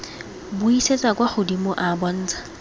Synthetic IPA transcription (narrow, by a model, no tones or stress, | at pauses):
bʊiset͡sʼakwaχʊdimoʔabɔn̩ːt͡sʼḁ